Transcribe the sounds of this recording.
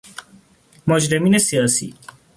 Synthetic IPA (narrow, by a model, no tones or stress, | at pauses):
mɔd͡ʒɾɐminesijaːsḭ